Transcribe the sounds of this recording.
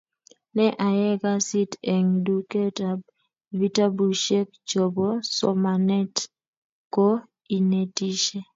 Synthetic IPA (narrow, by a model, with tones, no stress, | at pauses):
nɛ˦ʔa˨jɛ˦ɡa˦si˦tɛ˨ŋdu˨ke˦ta˨ | vi˦ta˦bu˨ʃɛ˦k̚t͡ʃo˨bɔ˦sɔ̰˨ma˨nɛ˦t | ko˦ | i˨ne˨ti˦ʃe˦